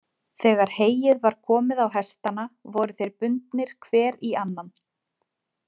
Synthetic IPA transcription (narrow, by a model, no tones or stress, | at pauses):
θɛːɣaɾ̥heːjɪðvaɾ̥kʰɔːmɪðawɦɛst̪anavɔɾʏθejɾpʏnt̪nɪɾ̥kʰvɛːɾianːan